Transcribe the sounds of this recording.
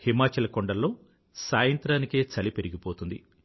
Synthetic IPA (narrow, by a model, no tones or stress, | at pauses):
himaːt͡ʃɐlɐkɔɳɖɐlːo̞ː | saːjɐnt̪ɾaːnike̞ːt͡ʃɐlipe̞ɾiɡipo̞ːt̪und̪i